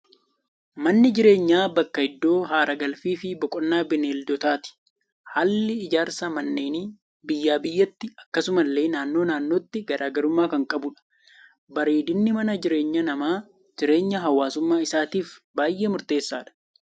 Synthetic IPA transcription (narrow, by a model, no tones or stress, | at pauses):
mɐnːɪd͡ʒɪɾe̞ːɲːaːbɐkːɐhɪd̪ːo̞ːɦaːɾɐɡɐlfiːfɪbɔkʼɔnːaːbɪneːld̪ɔt̪aːt̪ɪ̥ | haːlːɪɪd͡ʒaːɾsɐmɐnːeːni | bɪjːaːbɪjːɐt̪ːɪɐkːɐsʊmɐlːe̞ːnaːnːo̞ːnaːnːo̞ːt̪ːɪɡɐɾaːɡɐɾʊmːaːkɐŋkʼɐbʊᶑɐ̥ | bɐɾiːd̪ɪnːɪmɐnɐd͡ʒɪɾe̞ːɲːɐnɐmaː | d͡ʒɪɾe̞ːɲːɐɦɐwːaːsʊmːaːɪsaːt̪iːfbaːjʔːeːmʊɾt̪e̞ːsːaːᶑɐ̥